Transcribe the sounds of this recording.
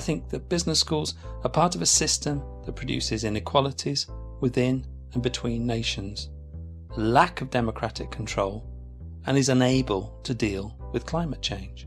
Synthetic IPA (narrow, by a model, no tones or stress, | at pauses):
aɪθɪ̃ŋk̚ðɨt̚b̥ɪznəskuːlˠzəpʰɑɹɾʌvəsɪstə̃mðət̚pʰɹ̥ɨdʉ̰sɪzɪ̃nɨkʰw̥ɑlˠətʰiz̥wɪðɪ̃n | ə̃nbɨtʰw̥ĩnːeɪʃə̃nz̥ | əlakʌvdɛməkʰɹ̥atɪ̰kʰn̩tʰɹ̥oʊlˠ | ə̃nɨzə̃neɪbəlˠtʰɨdiːlˠwɨð̥kʰl̥ãɪ̃mɨt̚t͡ʃʰẽɪ̃n̥ʒ̥